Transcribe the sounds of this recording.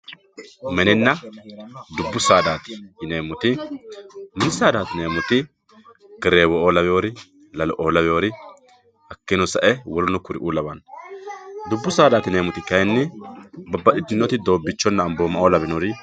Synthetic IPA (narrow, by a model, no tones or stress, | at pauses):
mɛnɛnːɐ | d̪ʊbːʊsaːd̪aːt̪ɪ̥neːmʊt̪ɪ | mɛnɪsaːd̪aːt̪ɪneːmʊt̪ɪ | ɡ̥ɛɾeːwɔʔoːlɐbɛjoːɾɪ | lɐlɔʔoːlɐbɛjoːɾɪ | ɐkːɪnɔsɐʔɛwɔɾʊnʊkʊɾɪ̰ʔuːlɐbɐn | d̪ʊbːʊsaːd̪aːt̪ɪneːmʊt̪ɪkɐjɛnːɪbɐbːɐɗɪd̪ɪnːɔt̪ɪd̪o̞ːbːɪt͡ʃːɔnːɐːmboːmɐʔoːlɐbɪnɔɾɪ